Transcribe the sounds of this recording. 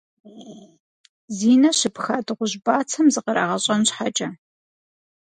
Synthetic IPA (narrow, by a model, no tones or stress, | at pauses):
ziːnɐɕɪpxaːdɨʁʷʊʑbaːt͡sʰɐmzɨqəɾa̰ːʁɐɕʼɐnɕħat͡ʃʼɐ